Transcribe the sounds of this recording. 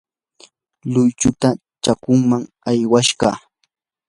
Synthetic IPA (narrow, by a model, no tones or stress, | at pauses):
lʊjt͡ʃʊt̪a | t͡ʃakʊŋmaŋ | ajwaʃɢɑ̰ː